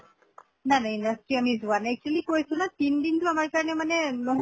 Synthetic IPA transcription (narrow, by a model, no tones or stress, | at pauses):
nanaindastɹiɔnizʊanaɛk̚t͡ʃualikoɹjsʊnatindintʊamaɹkaɹɔnɛmanɛlɔɦ